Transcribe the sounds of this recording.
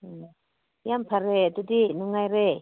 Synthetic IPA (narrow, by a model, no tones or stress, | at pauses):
jampʰaɾet̪ɯdinuŋajɾe